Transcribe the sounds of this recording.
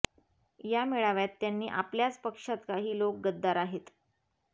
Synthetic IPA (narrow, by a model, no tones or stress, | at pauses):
jameɭaʋjat̪ːjanːiːʔapljat͡spəkʂat̪kaɦiːlok̚ɡəd̪ːaɾaɦet̪